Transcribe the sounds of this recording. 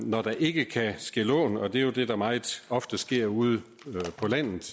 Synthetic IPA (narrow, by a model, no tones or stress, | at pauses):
nɒd̥ɑ̈ʔe̝ɡ̥əkʰæsɡ̥e̝lɔ̰ːnɒ̽d̥e̝jo̝d̥e̝d̥ɑ̈mɑ̈ːð̩ˠɒ̽fd̥əsɡ̥e̝ɐ̰uð̞ˠə | pʰɒ̽læn̰ð̩ˠ